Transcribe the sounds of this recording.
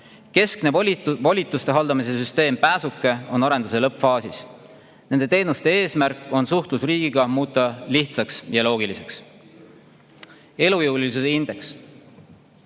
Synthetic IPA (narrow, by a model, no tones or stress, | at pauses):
ke̞skne̞vɑlʲit̪ːˑust̪e̞ɦɑld̪̥ɑmis̬e̞syst̪e̞ːmpæːsukːˑe̞o̞nɑɾe̞nd̪use̞lɤpːˑfɑːsis | ne̞nd̪e̞t̪e̞ːnust̪e̞e̞ːsmæɾkːˑo̞nsuht̪lusriːɡ̥iɡ̥ɑmuːt̪ːˑɑliht̪sɑksjɑlo̞ːɡ̥ilise̞ks | e̞lujuwliis̬esind̪̥e̞ks